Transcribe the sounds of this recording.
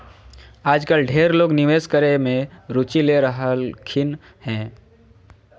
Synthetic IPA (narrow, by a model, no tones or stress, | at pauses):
aːd͡ʒkəlɖʱeːɾloːɡnɪʋeːskəɾemẽɾʊt͡ʃileɾəɦəlkʰɪn | hɛ̃ː